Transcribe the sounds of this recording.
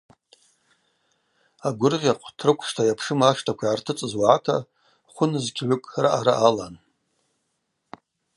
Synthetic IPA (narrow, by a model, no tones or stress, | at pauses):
aɡʷʊrʁʲaqʷʼtʰrɨkʷʰʂtʰajapʰʂɨmaʂtʰakʷʰaʕartʰɨt͡sʼɨzwaatʰa̰ | χʷʊnɨzkʲʰʼʕʷʊkʼra̰ʔaɾa̰ʔalan